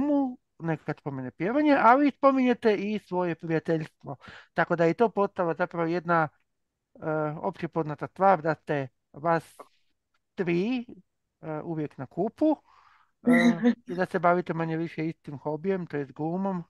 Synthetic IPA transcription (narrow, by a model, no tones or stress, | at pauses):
mu | nekḁkaspo̞menepjeʋaɲeʔalispo̞miɲet̪e̞isʋo̞je̞pɾijat̪eʎst̪ʋo̞t̪ako̞d̪ajet̪o̞ːpo̞st̪alazapɾaʋoje̞d̪na | o̰pt͡ɕe̞po̞znat̪ast̪ʋaːɾd̪ast̪e | ʋas | t̪ɾiː | əuʋje̞knakʰupu | əid̪asebaʋit̪emaɲeʋiʃjeist̪imxo̞bije̞mt̪ojest̪ɡlˠumom